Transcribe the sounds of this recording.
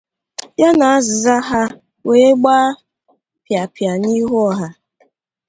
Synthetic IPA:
ja˦na˨a˦zɪ˨za˦ɦa˦ | we˨˦e˦ɡ͡baː˦ | pja˨pja˨ni˦ɦɔ˦ɦa˦

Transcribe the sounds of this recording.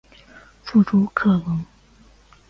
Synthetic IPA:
fu˥˩ʈ͡ʂʰu˥kʰɤ˥˩wɤ˧˥ŋ

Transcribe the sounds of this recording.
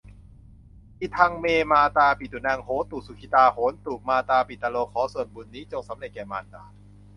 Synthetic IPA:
ʔi˧˩t̪ʰa˧ŋmeː˧maː˧t̪aː˧pi˨˩u˨˩na˧ŋhoː˨˦t̪uː˨˩su˨˩kʰi˧˩t̪aː˧hoː˩˦nt̪uː˨˩k̚maː˧t̪aː˧pi˨˩t̪ːaː˧loː˧kʰɔː˨˩˦su˨˩ənbu˧˩nːiː˦˥t͡ɕo˧ŋsa˨˩˦mɾe˨˩t̪̚kɛː˨˩maː˧t̪aː˧

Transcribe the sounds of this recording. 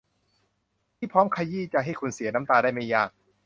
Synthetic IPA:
t̪ʰiː˥˩pʰɾɔː˦˥mkʰaː˧jiː˥˩t͡ɕa˨˩ɦa˥˩jkʰu˧nsi˨˩˦na˦˥mt̪aː˧daː˥˩jma˥˩jaː˧˩k̚

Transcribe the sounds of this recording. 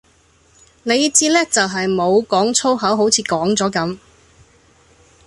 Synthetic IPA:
ne˨˧j̚t͡siː˥lɛː˥t͡sɐ˨wɦɐ˨jmo˨˧wkɔː˨˥ŋt͡sʰo˥wɦɐ˨˥wɦo˨˥wt͡sʰiː˨˧kɔː˨˥ŋt͡sɔː˨˥kɐ˨˥m

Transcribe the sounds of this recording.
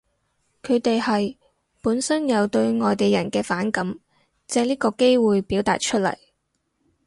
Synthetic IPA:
kʰɵ˨˧ɥt̪e˨jhɐ˨j | puː˨˥nsɐ˥njɐ˨˧wt̪ɵ˧ɥŋɔː˨jt̪e˨jːɐ̰˨˩nkɛː˧faː˨˥nkɐ˨˥m | t͡sɛː˧liː˥kɔː˧ke˥jwuː˨jpi˨˥wt̪aː˨t̚t͡ʃʰɵ˥t̚lɐ̰˨˩j

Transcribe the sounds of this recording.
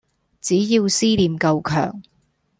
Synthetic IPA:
t͡siː˨˥ji˧wsiː˥liː˨˧mkɐ˧wkʰœ̰ː˨˩ŋ

